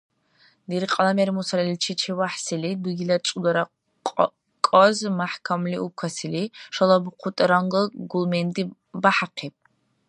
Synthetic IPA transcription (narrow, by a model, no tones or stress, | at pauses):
diɾiqʼɐlameɾimusalɛlʲt͡ʃʰit͡ʃʰewaħsiliduɡilɐt͡ʃʼudɐɾa | kʼɔzmaħkʰamliʔukʷʰasiliʂɐlˠɐbɨqʰʷʊtʼɾaŋɡəɡulmendʼi | baħaqʰepʼ